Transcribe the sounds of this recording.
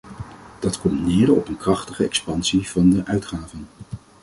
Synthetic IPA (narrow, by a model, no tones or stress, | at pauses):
d̥ɑtkɔmtnɪːdəɔpənkrɑχtəχəɛkspɑnsiv̥ɑndəʔœɥtχaːvən